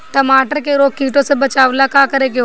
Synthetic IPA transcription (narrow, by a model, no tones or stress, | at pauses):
ʈɐmaːʈəɾkeɾoːkkiːʈõsebɐt͡ʃaːʋlakaːkəɾeːke